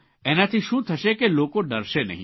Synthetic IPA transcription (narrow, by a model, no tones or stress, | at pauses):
ɛːnat̪ʰiʃũːt̪ʰɐʃekeloːkõɖɐɾsenɐ̰ɦḭ̃